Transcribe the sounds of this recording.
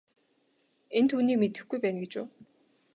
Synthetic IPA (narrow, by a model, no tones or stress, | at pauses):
ent̪ʰuːniːkmet̪ɘ̆xɡujpæːnɡet͡ɕʊ̰ː